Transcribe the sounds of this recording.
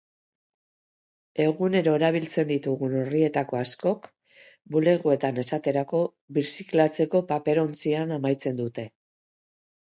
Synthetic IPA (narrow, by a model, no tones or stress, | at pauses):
e̞ɣune̞ɾo̞eɾaβ̞ilt͡se̞nd̪it̪uɣuno̞rie̞t̪ako̞asko̞k | bule̞ɣue̞t̪ane̞sat̪e̞ɾako̞ | βisiklat͡se̞ko̞pape̞ɾo̞nt͡sianamajt͡se̞nd̪ut̪e̞